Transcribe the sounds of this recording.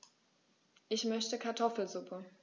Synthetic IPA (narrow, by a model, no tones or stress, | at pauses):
ʔɪçmœçtəkʰaɐtʰɔfl̩zʊpʰə